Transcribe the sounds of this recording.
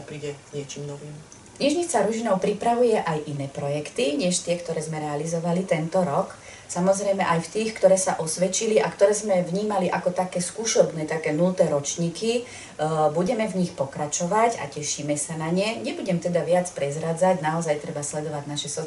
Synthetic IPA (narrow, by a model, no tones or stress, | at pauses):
pɾiɟɛzɲɪɛt͡ʃimnɔʋim | ɲiʒɲit͡saɾuʒinɔʊpɾipɾaʋujɛʔajʔinɛːpɾɔjɛkt̪iɲɛʃt̪ɪɛkt̪ɔɾɛːzmɛɾɛalizɔʋalit̪ɛnt̪ɔɾɔk | samɔzɾɛjmɛʔajft̪iːxkt̪ɔɾɛːsaʔɔsʋɛt͡ʃiliʔakt̪ɔɾɛːzmɛvɲiːmaliʔakɔt̪akɛːskuːʃɔbnɛːt̪akɛːnult̪ɛːɾɔt͡ʃɲiːki | buɟɛmɛvɲixpɔkɾat͡ʃɔʋaca̰cɛʃimɛsanaɲɛɲɛbuɟɛmt̪ɛd̪aʋɪat͡spɾɛzɾad͡zaɟnaɔzajt̪ɾɛbaslɛd̪ɔʋaɟnaʃɛsɔ